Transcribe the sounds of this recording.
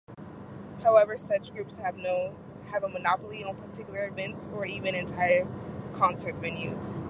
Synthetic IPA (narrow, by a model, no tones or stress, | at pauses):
haʊɛvə˞sʌt͡ʃɡ̥ɹʉpshɨvnoʊ | ɨvəmənɑpl̩ˠiə̃npʰə˞tʰɪkjl̩ˠə˞ɨvɛ̃ntsə˞ivɨ̃ñɨ̃ntʰaɪə˞kʰɑ̃nsə˞t̚b̥ɨ̃njʉ̰z̥